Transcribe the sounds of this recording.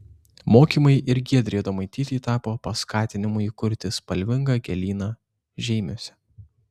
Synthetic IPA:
moːkʲiːmɐɪʔɪɾɡʲiɛd̪ʲɾʲeːd̪omɐɪt̪ʲiːt̪ʲiːt̪ɑːpoːpɐskɑːt̪ʲɪnʲɪmʊːiːkʊɾʲt̪ʲɪspɐlʲʋʲɪŋɡɐːɡʲɛlʲiːnɑː | ʒʲɛɪmʲoːsʲɛ

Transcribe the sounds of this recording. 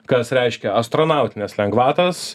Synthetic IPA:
kɐsɾʲɛɪʃʲkʲɛɐst̪ɾoːnɑˑʊt̪ʲɪnʲɛslʲɛŋɡʋɑːt̪ɐs

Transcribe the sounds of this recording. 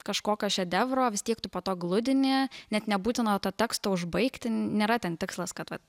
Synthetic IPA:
kɐʃkoːkʲoːʃʲɛd̪ʲɛʋɾoːʋʲɪst̪ʲiɛkt̪ʊpoːt̪oːɡlˠʊd̪ʲɪnʲɪnʲɛt̪nʲɛbuːt̪ʲɪnot̪oːt̪ʲɛkst̪oːʊʒbɐɪkt̪ʲɪnʲeːɾɐt̪ʲɛnt̪ʲɪkslˠɐskɐt̪ʋɐt̪

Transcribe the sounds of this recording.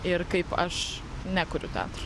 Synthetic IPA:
ɪrkɐɪpɐʃ | nʲækʊɾʲʊt̪ʲæ̰ːt̪ɾɐ

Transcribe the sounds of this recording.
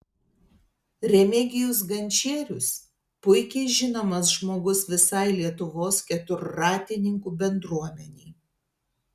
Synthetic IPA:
ɾʲɛmʲɪɡʲɪjʊs̬ɡɐnʲt͡ʃʲeːɾʲʊs | pʊɪkʲɛɪʒʲɪnoːmɐs̬ʒmoːɡʊsʋʲɪsɐɪlʲiɛt̪ʊʋoːskʲɛt̪ʊɾːɑːt̪ʲɪnʲɪŋkuːbʲɛnd̪ɾuɔmʲɛnʲɛɪ

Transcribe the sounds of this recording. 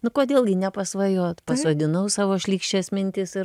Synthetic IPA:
nʊkoːd̪ʲeːlˠɡʲɪnʲɛpɐsʋɐjoːt̪pɐsoːd̪ʲɪnɐʊsɑːʋoːʃʲlʲiːkʃʲt͡ʃʲeːsmʲɪnʲt̪ʲɪsɪ

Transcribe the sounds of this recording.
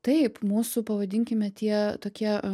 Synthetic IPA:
t̪ɐɪpmuːsʊpɐʋɐd̪ʲɪŋʲkʲɪmʲɛt̪ʲiɛt̪oːkʲiɛ

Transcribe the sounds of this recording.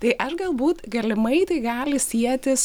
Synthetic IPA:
t̪ɐɪʔɐʃɡɐlˠbuːt̪ɡɐlʲɪmɐɪt̪ɐɪɡɑːlʲɪsʲiɛt̪ʲɪs

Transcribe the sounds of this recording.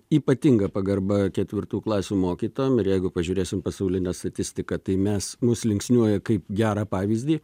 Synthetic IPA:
iːpɐt̪ʲiŋɡɐpɐɡɐrbɐkʲɛt̪ʲʋʲɪrt̪uːklˠɑːsʲuːmoːkʲiːt̪oːjɔmɪɾjɛɪɡʊpɐʒʲʊːɾʲeːsʲɪmpɐsɐʊlʲɪnʲɛːst̪ɐt̪ʲɪsʲt̪ʲɪkɐt̪ɐɪmʲɛsmʊslʲɪŋksʲnʲuɔjɛkɐɪpɡʲæːɾɑːpɑːʋʲiːzʲd̪ʲiː

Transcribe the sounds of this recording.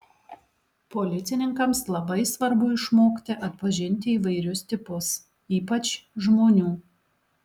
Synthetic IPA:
pɔlʲɪt̪sʲɪnʲɪŋkɐmslˠɐbɐɪsʋɐɾbʊɪʃmoːkt̪ʲɪʔɐt̪pɐʒʲɪnʲt̪ʲɪiːʋɐɪɾʲʊst̪ʲɪpʊs | iːpɐt͡ʃʒmoːnʲuː

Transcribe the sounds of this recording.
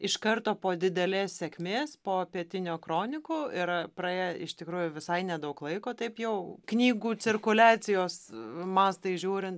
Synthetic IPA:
ɪʃkɐrt̪oːpoːd̪ʲɪd̪ʲɛlʲeːssʲɛkʲmʲeːspoːpʲiɛt̪ʲɪnʲoːkɾoːnʲɪkoːɪrpɾɐeːjɛɪʃt̪ʲɪkɾuːjʊʋʲɪsɐɪnʲɛd̪ɐʊklˠɐɪkoːt̪ɐɪpjɛʊknʲiːɡuːt͡s̪ʲɪrkʊlʲɑːt͡s̪ʲɪjoːsmɑːst̪ɐɪʒʲuːɾʲɪnt̪

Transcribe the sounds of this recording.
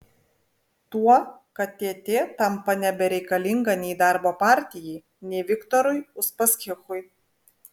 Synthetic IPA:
t̪uɔkɐt̪t̪ʲeːt̪ʲeːt̪ɐmpɐnʲɛbʲɛɾʲɛɪkɐlʲɪŋɡɐnʲɛɪd̪ɑˑɾboːpɑˑɾʲt̪ʲɪjɛɪ | nʲɛɪʋʲɪkt̪ɔɾʊjʊspɐsʲkʲɪxʊj

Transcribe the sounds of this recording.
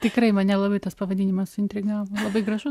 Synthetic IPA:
t̪ʲɪkɾɐɪmɐnʲɛlˠɐbɨɪt̪ɐspɐʋɐdʲinʲɪmɐsɪnʲt̪ʲɾʲɪɡɑɐlˠɐbɨɪɡɾɐʃu

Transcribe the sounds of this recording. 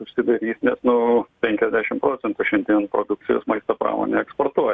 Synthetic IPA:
ʊʃʲsʲɪd̪ɐɾʲiːsʲnʲɛsnʊpʲɛŋʲkʲɛzʲd̪ʲæːʃʲɪmpɾoːsʲɛnt̪uːʃʲɛnʲd̪ʲiɛnpɾoːd̪ʊk̚t͡s̪ʲɪjo̰ːsmɐɪst̪oːpɾɑ̰ːmo̰ːnʲeɛkspoːrt̪uɔ

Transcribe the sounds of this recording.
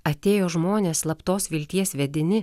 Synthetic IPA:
ɐt̪ʲeːjoːʒmoːnʲeːslˠɐpt̪oːsʋʲɪlʲt̪ʲiɛsʲʋʲɛd̪ʲɪnʲɪ

